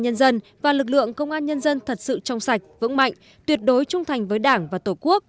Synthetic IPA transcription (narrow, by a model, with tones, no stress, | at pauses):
ɲə˧nzə˧n | vaː˨˩lɨ˨˩k̬̚lɨ̰˧˨əŋkə˧wŋ͡mʔaː˧nɲə˧nzə˧nt̪ʰə˨˩t̚sɨ̰˧˨t͡ɕɔ˧wŋ͡msa˨˩jk̟̚vɨ̰˧˥ŋma̰˧˨jŋ̟ | t̪wi˨˩ət̚ɗo˨˦jt͡ɕʊ˧ŋ͡mt̪ʰa˨˩jŋ̟vəː˨˦jɗaː˧˩ŋvaː˨˩t̪o˧˩ku˦˥ək̚